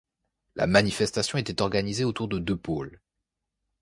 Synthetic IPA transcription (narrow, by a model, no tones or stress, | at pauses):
la̰manifɛst̪asjɔ̃et̪ɛt̪ɔʁɡanizeot̪uʁd̪əd̪øpol